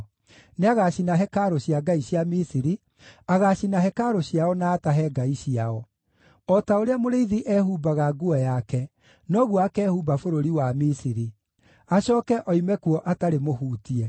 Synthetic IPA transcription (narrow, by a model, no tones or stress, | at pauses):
neaɣaɕinaɦɛkaɾoɕjaɡaiɕjamisiɾi | aɣaɕinaɦɛkaɾoɕjaɔnaːtaɦɛɡaiɕiaɔ | ɔtaoɾeamoɾeiðiʔɛhubaɣaɡuɔjakɛ | nɔɣuɔakɛːhubafoɾoɾiwamisiɾi | aɕɔːkɛʔɔimɛkuɔʔataɾemohuːtiɛ